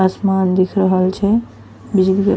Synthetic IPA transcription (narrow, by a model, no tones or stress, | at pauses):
əsmand̪ikʰɾəɦəlt͡ʃʰɛ | bid͡ʒlikḛ